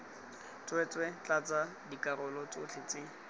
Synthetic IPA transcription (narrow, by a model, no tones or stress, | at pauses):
t͡swɛt͡swɛt͡ɬat͡sa | dikʼarʊlɔt͡sʊt͡ɬʰɪt͡sɪ